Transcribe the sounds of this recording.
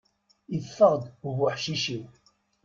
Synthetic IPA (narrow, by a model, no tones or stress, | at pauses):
iðfːəʁd̪ʊvʊħʃiʃiw